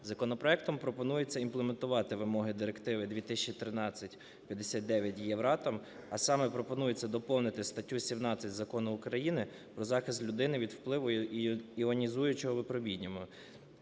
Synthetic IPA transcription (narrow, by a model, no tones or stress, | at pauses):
zɐkɔnɔpɾɔɛk̚t̪ɔmpɾɔpɔnujet͡sʲːɐimplˠement̪ʊʋɑt̪ɪʋɪmɔɦɪd̪ɪɾekt̪ɪʋɪd̪ʲʋʲit̪ɪsʲt͡ʃːit̪ɾɪnɑt͡sʲːɐtʲ | pʲjɐd̪esʲɑt̪̚d̪ɛʋʲjɐtʲjɛʋɾɑt̪ɐm | ɐsɑmɛpɾɔpɔnujet͡sʲːɐd̪ɔpɔwnɪt̪ɪst̪ɐtʲːusʲimnɑt͡sʲɐtʲzɐkɔnʊːkɾɐjinɪ | pɾɔzɑxɪst̪lʲʊd̪ɪnɪʋʲid̪wplˠɪʋʊiɔnʲizujʊt͡ʃɔɦɔʋɪpɾɔbʲidʲnʲɔmʊ